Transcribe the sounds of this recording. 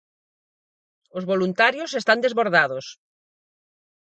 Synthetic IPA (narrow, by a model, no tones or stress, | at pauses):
ozβolunt̪aɾjosest̪and̪ezβoɾðaðos